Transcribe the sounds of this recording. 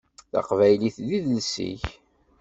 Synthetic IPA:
θɑ̰qvæjliθðiðəlsḭç

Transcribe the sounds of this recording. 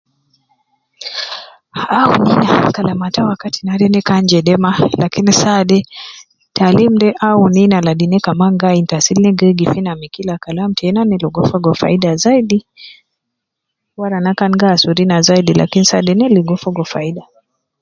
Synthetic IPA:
auninakalamatawakati̥naɾɛnɛkand͡ʒɛɗɛmalakinisaɗɛ | talim̩dɛʔauninalaɗinɛkamaŋɡaintasilnɛɡɛɡifinamikilakalam̩tɛɛnanilɔɡɔfɔɡɔfa̰iɗazaidi | waɾanakanɡaːsuɾinazaiɗila̰kinisaɗɛnɛliɡɔfɔɡɔfaiɗa

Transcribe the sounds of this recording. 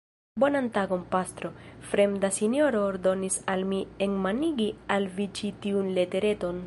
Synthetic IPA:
bo̞nantaɡo̞npast̪ɾo̞fɾe̞mdasinjo̞ɾo̞ːɾdo̞nisalmieŋmaniɡialvit͡ʃitiunle̞te̞ɾe̞to̞n

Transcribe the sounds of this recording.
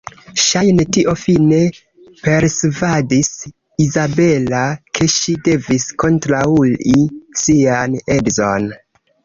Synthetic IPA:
ʃajnetiʔo̞fine̞ | pe̞ɾsvadis | izabe̞lakʰe̞ʃide̞visko̞ntɾaulisiane̞dzo̞n

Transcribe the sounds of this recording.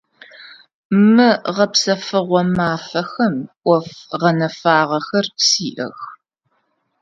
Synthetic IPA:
mɨʁɐpsɐfɨʁʷɔmaːfɐxɐmʔʷɔfʁɐnɐfaːʁɐxɐrpsiːʔɐ̰x

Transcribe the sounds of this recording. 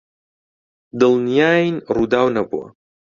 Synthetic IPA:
dɨlnjaːjnrudawnabwa̰

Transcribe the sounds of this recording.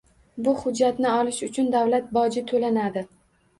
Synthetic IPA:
bʊhʊd͡ʒːat̪nɪɒlɪʃʊt͡ʃʰʊnd̪awlat̪̚bɒd͡ʒɪt̪ʰolanad̪ɪ

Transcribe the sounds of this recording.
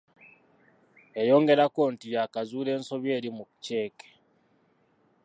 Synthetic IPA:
e̞jo̞ːŋɡe̞ɾako̞ntijakazuːle̞ːnso̞βje̞ːɾimukce̞ːke̥

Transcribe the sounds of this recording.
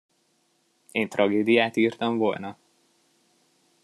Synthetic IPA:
eːnt̪rɒɡeːd̪ijaːt̪iːrt̪ɒɱvolnɒ

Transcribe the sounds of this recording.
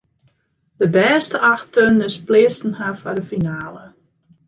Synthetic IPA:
d̥əbɛːstəʔɑxtønɪsplɪəstn̩hafɔdəfinaːlə

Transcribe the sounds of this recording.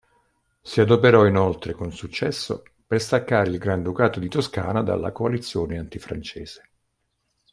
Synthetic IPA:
siad̪opeɾɔinolt̪ɾekonsut͡ʃːɛsːo̰ | perst̪akːaːɾilɡɾand̪ukaːt̪od̪it̪oska̰ːnad̪a̰lːa̰koalit̪sːjoːneant̪ifɾa̰nt͡ʃeːz̥e̥

